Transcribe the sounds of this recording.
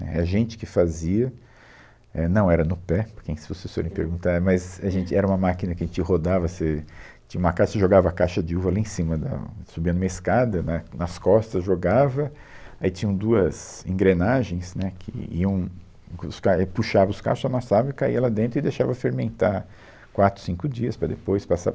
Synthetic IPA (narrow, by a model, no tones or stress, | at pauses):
nɛ̰ɛʒẽnt͡ʃɪ̥kɪfaziɐ | ɛnɐ̃w̃ɛɾɐnʊpɛpʊkẽsɪ̥foseso̰ɾẽpeɾɡũnt̪aɾmɐzaʒẽnt͡ʃɪɛɾɐũmɐmakinɐkɪɐʒẽt͡ʃɪɦod̪avɐset͡ʃĩɲɐũmɐkaʃseʒoɡavɐkajʃɐd͡ʒɪuvɐaliẽsĩmɐd̪ɐ̰subĩɐnũmɐɪskad̪ɐnɐnɐskɔst̪ɐʒoɡavɐ | ait͡ʃĩɲ̃ɐ̃d̪uɐzḛ̃ŋɡɾenaʒẽj̃snɛkʰɪ̰ḭɐ̃w̃ | ʊskapuʃavɐʊska̰ɾʃʊzamasavɐɪkaiɐlad̪ẽnt̪ɾʊɪd̪eʃavɐfeɾmẽnt̪aɾ | kwat̪ɾʊ̥sĩŋkʊd͡ʒiɐspɾɐd̪epojspasa̰